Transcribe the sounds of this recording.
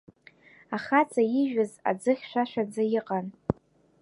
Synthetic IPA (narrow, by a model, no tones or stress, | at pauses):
aχat͡sʼajiʒᶣaza̰d͡zɨχʲʃʷᶣaʃʷᶣad͡zajɪqʼan